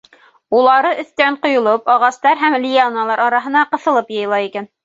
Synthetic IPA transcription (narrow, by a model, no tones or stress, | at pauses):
ulˠɑɾɤʔɵ̆θt̪æɴqŏjŏlˠɤpɑʁɑst̪ɑɾɦæmlʲijanɑlˠɑɾɑɾɑɦɤ̆nɑqɤ̆θɤ̆lˠɤpjɤ̆jɤlˠɑikæn